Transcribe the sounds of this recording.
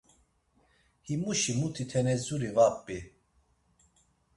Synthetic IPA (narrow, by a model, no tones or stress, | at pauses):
himuʃimut̪ʰit̪ʰɛnɛzuɾivapbi